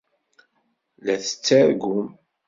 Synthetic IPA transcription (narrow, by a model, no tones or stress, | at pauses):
læθə̥t͡sːaɾɡʊm